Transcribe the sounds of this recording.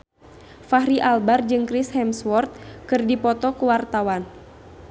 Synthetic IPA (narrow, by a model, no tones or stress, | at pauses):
fahɾiʔalbard͡ʒɨŋkɾishɛmswɔrt̪̚kɨrdipɔt̪ɔkuwart̪awan